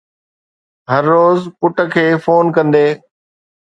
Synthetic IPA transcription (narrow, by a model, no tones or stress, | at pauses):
ɦɐɾːoːzpʊʈə̆kʰeːfoːnkɐ̃nd̪eː